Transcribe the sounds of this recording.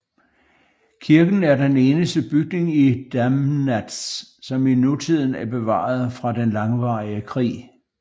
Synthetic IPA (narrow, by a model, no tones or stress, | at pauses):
kʰiɐɡ̥n̩æɐd̥ene̝ːnəsd̥əb̥yɡ̥̚ne̝ŋid̥æmnæd̥ssɒ̽minut͡sʰið̞̰ˠn̩æɐb̥e̝ʋɑ̰̈ːð̩ˠfʁɑ̈d̥enlɑ̈ŋʋɑ̰̈ːiəkʰʁḭː